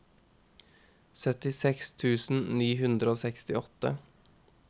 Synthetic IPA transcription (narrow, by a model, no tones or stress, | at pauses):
sœt̪ɪsɛkst̪ʰʉːsn̩niːhʉnd̪ɾəoːsɛkst̪ɪɔt̪ə̰